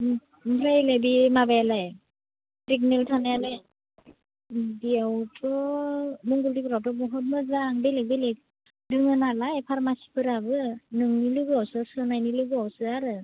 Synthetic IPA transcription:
mɾajlebimabajalaj | pɾik̚neltʰanajalɯj | biawtʰɔ | muŋɡuldipʰɯɾawtɔbɔɦɔt̬̚mɯzaŋbelek̚belek̚ | dɯŋɯnalajpʰaɾmasi̥pʰɯɾabɯnɯŋnilɯɡɯawsɯsɯnajnilɯɡɯawsɯaɾɯ

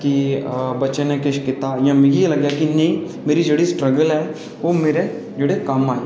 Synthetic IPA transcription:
kibɐtːʃẽnekɪʃkɪt̪ajãmɛ̃ɡijelɐɡjakinɐĩ | meːɾid͡ʒeɽisʈɾəɡəlɦɛ | ʋomeːɾe | d͡ʒeɽekamaːɦe

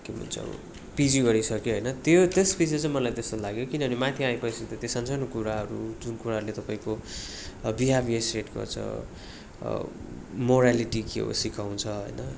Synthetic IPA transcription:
kem̤ṵnt͡sʰʌ̰ | pid͡ziɡʌɾisʰʌkjoɦʌjnʌt̪jot̪espid͡zit͡sãĩmʌlajt̪est̪olaɡjokinʌbʱʌnimat̪ʰiãĩpʌjsʌt̪ʌt̪esʌnt͡sanokuɾaɦʌɾud͡zunkuɾaɦʌɾulet̪ʌpaĩko | biɦabʱiesreʈɡʌ̰rt͡sʌ̰ | moɾaliʈikio̰sikaw̃t͡sʰʌɦʌ̰jnʌ

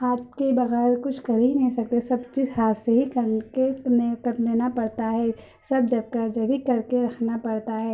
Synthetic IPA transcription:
haːt̪̚kebɐɣɛːɾkʊt͡ʃʰkɐɾeɦinɐɦĩsɐk̚t̪esɐbt͡ʃiːzɦaːseɦikɐɾkeekɐɾd̪eːnapɐɽt̪aɦɛː | sɐb̚d͡ʒɐb̚kad͡ʒɐbʱikɐɾkeɾɐkʰnapɐɽt̪aɦɛː

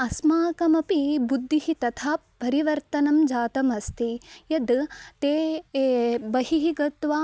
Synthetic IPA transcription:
ɐsmaːkɐmɐpibud̪ʱːihit̪ɐt̪ʰaːpːɐɾiʋɐɾt̪ɐnɐmd͡ʒaːt̪ɐmɐst̪ijɐd̪t̪eː | bɐhiɦiɡɐt̪ʋaː

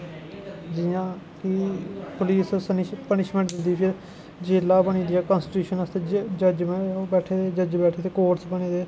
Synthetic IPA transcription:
d͡ʒɪjãː | kipʊliːsnpənɪʃmə̃ɳʈd̪ɪd̪iːpʰɪɾ | d͡ʒeːlːaːbəɽ̃iːd̪iːɛːkə̃nsʈɪʈuːʃənəst̪eːd͡ʒəd͡ʒmẽbɛːʈʰeːt̪eːd͡ʒəd͡ʒbɛːʈʰeːt̪eːkoːɾsbəɽ̃iːd̪eː

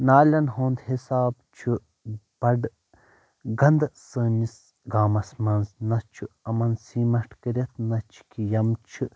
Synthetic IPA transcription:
naːlʲɐnɦoːnd̪hisaːbt͡ʃʰu | b̥ɐɖ | ɡɐnd̪səːnis | ɡaːmɐsmɐnznɐt͡ʃʰuɐmɐnsiːmɐʂʈʰkəɾet̪̚ʰnɐt͡ʃʰi̥kʰijɐmt͡ʃʰu

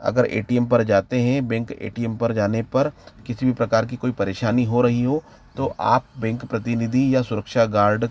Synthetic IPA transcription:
ɐ̰ɡəɾḛːʈiɛmpɐɾd͡ʒaːt̪eɦɛ̃bɛ̃ŋkḛːʈiɛmpɐɾd͡ʒaːnepɐɾkɪsibʱipɾɐkaːɾk̬ikoːipɐɾeːʃaːniɦoɾɐɦiɦo | t̪oʔa̰ːp̚bɛ̃ŋkpɾɐt̪ɪnɪd̪ʱijasʊɾəkʃaɡaːɾɖ

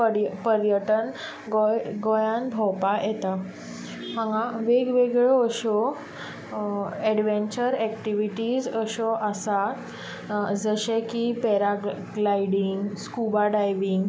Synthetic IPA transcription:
pəɾpəɾjəʈən | ɡɔjɡɔjãnbʱɔwpajet̪a | məŋɡãʋeɡʋeɡɭɔːɕɔ | ɛɽʋeɲt͡ɕəɾɛkʈiʋiʈid͡zəɕɔʔəsat̪ | d͡zəɕekipɛɾa | ɡlajɽiŋɡskubaɖajʋiŋɡ

